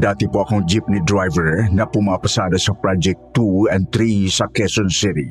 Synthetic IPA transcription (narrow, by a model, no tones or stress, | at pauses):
dat̪ipuakoŋd͡ʒip̚nidɾajvəɹnapumapasadasɐpɾad͡ʒɛk̚t̪uɛnt̪ɾisakɛsɔnsiɾi